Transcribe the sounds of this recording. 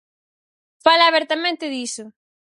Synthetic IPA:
falaːβɛɾt̪amẽnt̪ɪðisʊ

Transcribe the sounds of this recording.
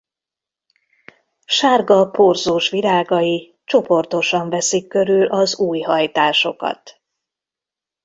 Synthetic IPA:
ʃaːrɡɒporzoːʃʋilaːɡɒji | t͡ʃo̞po̞rt̪o̞ʃɒɱvɛsikːø̞ɾylʔɒzuːjɦɒjt̪aːʃo̞kɒ̰t̪

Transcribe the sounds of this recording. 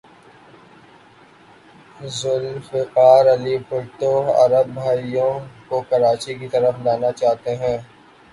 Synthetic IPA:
zʊlfɪqaːɾɐlipʊɾʈoɦɐ̰ɾəbːʱaːijõkokɐɾaːt͡ʃikit̪ɐɾəflaːnat͡ʃaːɦt̪eɦɛ̃ː

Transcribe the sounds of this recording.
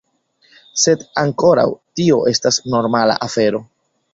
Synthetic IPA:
se̞daŋko̞ɾa̰wtio̞ʔe̞stasno̞ɾmala̰ʔafe̞ɾo̞

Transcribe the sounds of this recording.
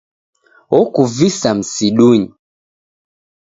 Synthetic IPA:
ɔkuvisam̩siɗuɲi

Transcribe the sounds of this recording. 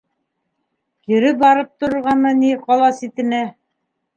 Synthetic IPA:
kĭɾɘp̚bɑɾɤp̚t̪ŏɾŏɾʁɑnɤniqɑlˠɑsit̪ɘ̆næ

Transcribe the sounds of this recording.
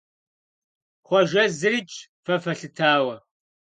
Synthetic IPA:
χʷɔʒɐzɨrit͡ʃʼ | fɐfɐɬɨtʰaːwɐ

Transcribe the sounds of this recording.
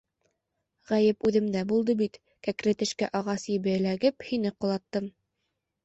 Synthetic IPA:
ʁæjɘpʉðɘ̆md̪æbulˠd̪ɤbit̪ | kækɾɘt̪ɘ̆ʃkæʔɑʁɑsjɘ̆βɘ̆læɡɘphinɘqŏlˠɑt̪ːɤm

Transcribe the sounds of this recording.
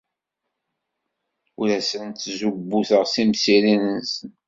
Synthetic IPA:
uɾæsənt̪ːzubːuθəʁsimsiɾinənsən

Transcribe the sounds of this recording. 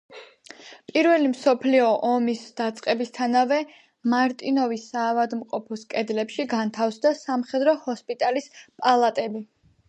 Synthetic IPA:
pʼiɾvɛlimsɔpʰliɔʔɔmisd̪̥at̪sʼqʼɛbist̪ʰanavɛ | maɾt̪ʼinɔvisaːvad̪mqʼɔpʰɔskʼɛd̪lɛpʃiɡant̪ʰafsd̪asamχɛd̪ɾɔhɔspʼit̪ʼalispʼalˠat̪ʼɛbi

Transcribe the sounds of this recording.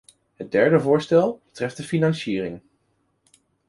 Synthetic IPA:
ɦəd̚dɛɹdəvʊːɹstɛlˠbətrɛftdəfinɑnʃiːrɪŋ

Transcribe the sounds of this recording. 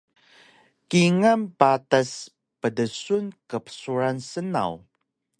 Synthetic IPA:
kiŋampatas | pədəsunkəpə̥suɾansəna̰w

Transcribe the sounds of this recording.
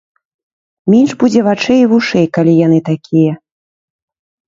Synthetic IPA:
mʲenʐbud͡zʲɛvat͡ʂɛjivuʂɛjkalʲijan̪ɨt̪akʲʰijɛ

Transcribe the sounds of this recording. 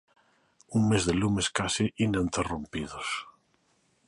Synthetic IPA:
uŋmezðelumeskasiʔinẽnt̪erompiðos

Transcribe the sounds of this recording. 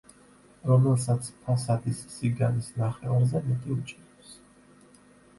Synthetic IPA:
ɾɔmɛlsat̪sʰpʰasat̪ʰʼisːiɡanisnaχɛaɾzɛmɛt̪ʼiut͡ʃʼɛɾɛps

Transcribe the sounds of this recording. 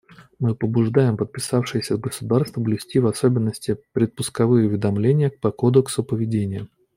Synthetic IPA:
mɨpəbʊʐd̪ajɪmpət̪̚pʲɪsafʂɨjɪsʲəəɡəsʊd̪arst̪vəblʲɪsʲtʲivɐsobʲɪnːəsʲtʲɪpɾʲɪt̪̚pʊskɐvɨjəʊvʲɪd̪ɐmlʲenʲɪjək̚pɐkod̪əksʊpəvʲɪdʲenʲɪjə

